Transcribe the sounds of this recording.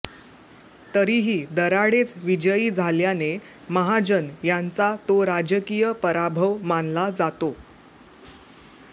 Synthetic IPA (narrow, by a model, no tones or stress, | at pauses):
t̪əɾiɦiːd̪əɾaɽet͡sʋid͡ʑəiːd͡zʱaljane | məɦad͡ʑənjant͡sat̪oɾad͡ʑəkijəpəɾabʱəʋmanlad͡zat̪o